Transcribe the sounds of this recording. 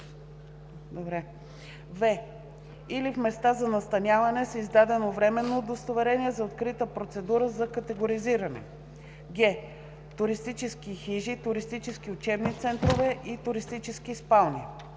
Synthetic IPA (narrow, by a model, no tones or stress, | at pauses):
d̪obɾɛ | vɛ | ilifmɛst̪azɐnɐst̪ɐnʲjavɐnɛsizd̪ad̪ɛnovɾɛmɛnːoːd̪əst̪ovɛɾɛniɛzɐot̪kɾit̪əpɾot̪sɛd̪uɾəzɐkət̪ɛɡoɾiziɾɐnɛ̰ | ɡʲɛ | t̪ʊɾist̪it͡ʃɛsk̟ixiʒit̪ʊɾist̪it͡ʃɛsk̟iʊt͡ʃɛbnit̪sɛnt̪ɾovɛʔit̪ʊɾist̪it͡ʃɛsk̟ispalˠni